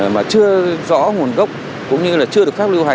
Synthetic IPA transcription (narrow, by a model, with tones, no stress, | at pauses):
maː˨˩t͡ɕɨ˧əzɔ̰˧˥ŋu˨˩ənɣə˦˥wk͡p̚ | kʊ̰˧˥wŋ͡mɲɨ˧laː˨˩t͡ɕɨ˧əɗɨ˨˩ək̚fa˦˥li˧wɦa˨˩